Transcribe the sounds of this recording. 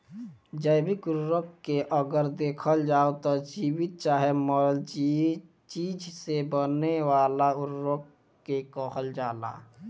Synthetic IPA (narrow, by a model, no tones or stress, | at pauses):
d͡ʒəjbɪkʊɾːəkkeʔəɡəɾd̪eːkʰəld͡ʒaːot̪ɔd͡ʒiːwɪt̪̚t͡ʃaːɦemɔd͡ʒi | t͡ʃiːd͡ʒsebənewaːlaʊɾːəkː | ekɔːxʰəld͡ʒaːla̰ː